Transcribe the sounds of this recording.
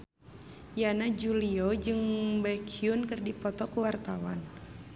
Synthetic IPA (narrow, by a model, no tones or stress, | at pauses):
janad͡ʒuliɔd͡ʒɨŋbakʰiunkɨrdipɔt̪ɔkuwart̪awa̰n